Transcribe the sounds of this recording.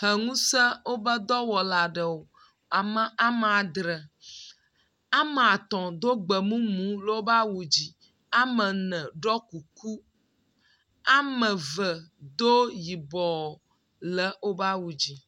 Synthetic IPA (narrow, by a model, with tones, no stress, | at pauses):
hə˨ŋũ˦sə˦wo˦bə˦d̪ɔ˦wɔ˨la˨ɖə˨wo˨ | a˨mə̃˦ʔa˦mə˨a˨d̪ɾə˨ | a˦mə˨a˨t̪ɔ̃˨d̪o˦ɡ͡bə˨mũ˦mũ˨˦lo˦o˦ba˦wu˨d͡ʑi˨ | a˦mə̃˨nə̃˨ɖɔ˦ku˨ku˦ | a˨mə̃˨və˨d̪o˦ji˨bɔ˨ | lə˦o˦ba˦wu˨d͡ʑi˨